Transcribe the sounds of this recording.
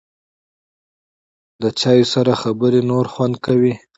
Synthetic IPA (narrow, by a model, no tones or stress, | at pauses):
d̪ət͡ʃɑjosaɾaxabəɾenoɾxwand̪kawi